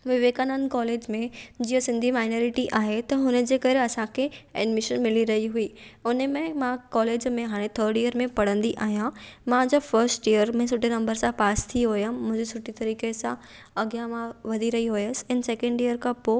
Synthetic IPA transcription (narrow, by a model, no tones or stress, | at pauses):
ʋɪʋeːkanankɔːleːd͡ʑmẽd͡ʑiːəsɪ̃nd̪ʱimaːɪnoːɾɪʈiʔaːɦet̪ɐɦʊnəd͡ʑeːkɐɾeɐsãkʰeɛ̰ɖmɪʃənmɪliɾɐɦiɦuiːʊnəmẽmãkɔːleːd͡ʑmẽɦaːɽ̃ẽt̪ʰəɾɖijəɾmẽpɐɽ̤ə̃nd̪iʔaːɦijãmãd͡ʑofɐɾsʈijəɾmẽsʊʈenɐ̃mbəɾsãpaːst̪ʰiɦʊjəmʊ̃ɦɪ̃ɲd͡ʑesʊʈit̪ɐɾiːkesã | ɐɡjamãʋɐd̪ʱiɾɐɦiɦʊjəsɪ̥ɛ̃ːnsɛkə̃ɳɖijəɾkʰãpoː